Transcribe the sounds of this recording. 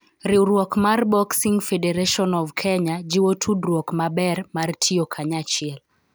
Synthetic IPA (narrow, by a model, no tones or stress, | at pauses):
ɾiuɾwɔkmarbɔksiŋɡfɛdɛɾɛʃɔnɔvkʰɛɲad͡ʒiwotʰudɾwɔkmabɛrmartʰiɔkʰaɲat͡ʃɪɛl